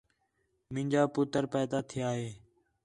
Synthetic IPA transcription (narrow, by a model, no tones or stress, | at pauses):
mɪ̃ːɲʲd͡ʒaːpʊt̪əɾpɛːd̪aːt̪ʰɪjaːɦeː